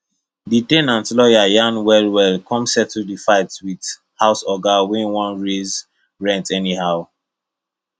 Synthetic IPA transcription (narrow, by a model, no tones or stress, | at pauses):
ditẽnãntlɔjajãnwɛlwɛlkʰɔ̃msɛtldifaɪtwid | haʊsɔɡawɛ̃nwɔ̃nɹez | ɹɛ̃ntɛnihaʊ